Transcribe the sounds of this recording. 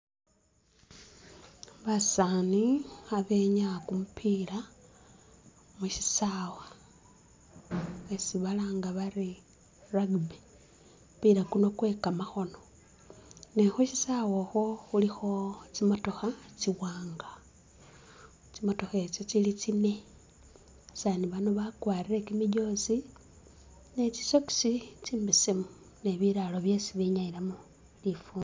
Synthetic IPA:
βasaːniaβe̞ːɲakumupʰiːla | muʃisaːwa | esiβalaːŋɡaβaɾi | raɡbe | piɾakuno̞kwe̞ːkamaxo̞no̞ | nexoʃisawoxo̞xulixo̞t͡simo̞to̞xat͡siwaːŋɡa | t͡simo̞to̞xe̞t͡ʃot͡silit͡sine̞ | saniβanoβakwaːrire̞kimiɟo̞si | net͡ʃi̥so̞ki̥sit͡simbisimu | ne̞βiɾalo̞βje̞siβiɲaiɾamu | lifuːn

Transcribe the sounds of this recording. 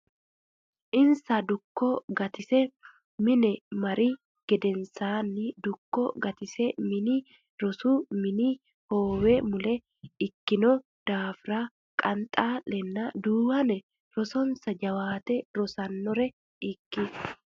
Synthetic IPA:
ʔɪnsɐd̪ʊkːoɡɐt̪ɪsɛ | mɪnɛmɐɾi | ɡ̥ɛd̪ɛnsaːnːɪd̪ʊkːɔ̰ɡɐt̪ɪsɛmɪni | ɾɔsuːmɪni | hoːwɛmʊlɛ | ɪkːɪnɔ | d̪̥aːfɾaː | kʼɐnt̪ʼaːlɛnːɐd̪uːbɐnɛ | ɾɔsɔnsɐd͡ʒɐwaːt̪ɛɾɔsɐnːɔɾɛ | ɪkːɪ

